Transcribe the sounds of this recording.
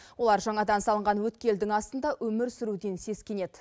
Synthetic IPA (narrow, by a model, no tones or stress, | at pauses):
wo̞lˠɑɾʒɑɴɑd̪ɑnsɑlˠəɴʁɑnwɵt̪kʲe̞ld̪ɪŋɑst̪ənd̪ɑʔɵmɪɾsʏɾud̪e̞nse̞skʲe̞ne̞d̪̥